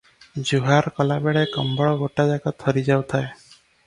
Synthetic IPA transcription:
d͡ʒuɦaɾkɔlabeɭekɔ̰mbɔɭɔɡoʈad͡ʒaɡɔt̪ʰːɔɾid͡ʒawt̪ʰae

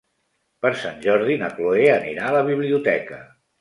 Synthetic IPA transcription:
pəɾsanʲʒɔɾðinəkloeənḭɾaələβ̞iβ̞liut̪ɛkə

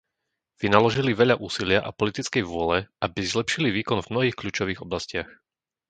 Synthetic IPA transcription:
ʋinalɔʒiliʋɛʎaʔuːsilɪaʔapɔlit̪it͡skɛjʋʊɔlɛabizlɛpʃiliʋiːkɔnvmnɔɦiːxkʎuːt͡ʃɔʋiːɣɔblascɪax

